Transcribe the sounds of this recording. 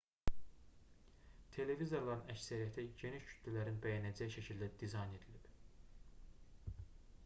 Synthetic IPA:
t̪ʰe̞le̞vizo̞ɾlˠɑɾɯnæcsæɾijæt̪ʰiɟe̞niʃcʰy̥t̪ʰlylæɾinbæjænæd͡ʒæjʃæcʰild̪æd̪izɑjne̞d̪ilib̥

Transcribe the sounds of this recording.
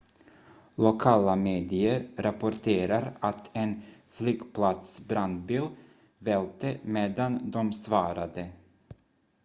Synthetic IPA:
lʊkʰɑːlameːd̪ɪəɾɾapʊɾʈʰeːɾaɾat̪ʰɛnflyːɡpʰlat̪sbɾand̪biːl | vɛlt̪əmeːd̪and̪ɔmsvɑːɾad̪ə

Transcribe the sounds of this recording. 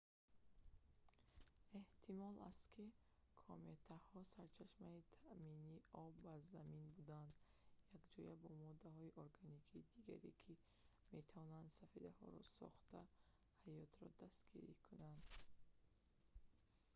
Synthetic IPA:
e̞ht̪ʰimɔla̰st̪kʰi | kʰomet̪ʰahɔsaɾt͡ʃʰaʃmait̪ʰaʔminiɔbːazaminbud̪and̪jakd͡ʒɔjabɔmɔd̪aɦɔiʔoɾɡanikʰiːd̪iɡa̰ɾḛkʰi | me̞t̪ʰavɔnand̪safed̪ahɔ̰ɾɔsɔ̰χt̪a | hajɔt̪ɾɔd̪ast̪ɡiɾikʰunand̪

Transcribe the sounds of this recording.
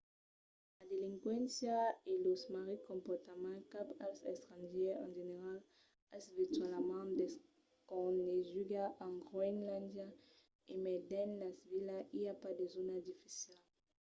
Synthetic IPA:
lad̪elĩŋkwɛ̃nsjaelosmaʁikɔ̃mpɔʁt̪amãkapasɛ̰st̪ʁãnʒɛɑ̰̃ʒeneʁal | asvit̪ɥalamãd̪es | kɔ̃neʒyɡaʔãŋɡʁwɛŋlãnd̪ja | emɛd̪ɛnlasvilaʔiapad̪ezonad̪ifi̥sjal

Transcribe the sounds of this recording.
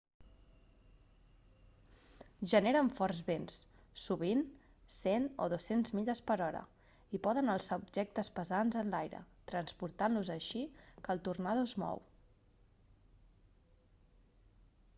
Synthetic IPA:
ʒəneɾəɱfɔɾzβens | suβin | seno̰ðosenzmiʎəspəɾɔɾə̰ | ipɔðənəlˠsaubʒɛk̚t̪əspəzanzənlajɾə̰t̪ɾənspuɾt̪anluzəʃikəlˠt̪urnaðozmɔ̰w

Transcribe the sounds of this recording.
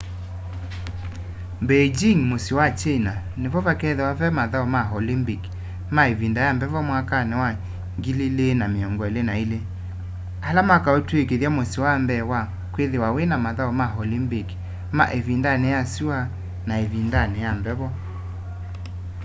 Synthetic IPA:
mbed͡ʒiŋmosiwat͡ʃena | nevɔβakɛðewavɛmaðaɔmaɦɔlimbik | maevindajambɛvɔmwakanɛwa | ŋɡililenameɔŋɡɔelenaile | alamakaotwekeðjamosiwambɛwa | kweðewawenamaðaɔmaɦɔlimbik | ma̰ʔevindanejasua | naevindanɛjambɛβɔ

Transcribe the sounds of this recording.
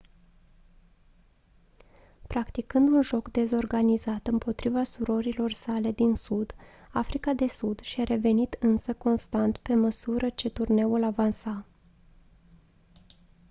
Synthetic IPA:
pɾakt̪ikɨnd̪unʒo̞kd̪e̞zo̞rɡanizat̪ɨmpo̞t̪ɾivasuɾo̞ɾilo̞rsale̞d̪insud̪ | afɾikad̪e̞sud̪ʃiaɾʔe̞ve̞nit̪ɨnsəko̞nst̪ant̪pe̞məsuɾət͡ʃe̞t̪urne̞ulavansa

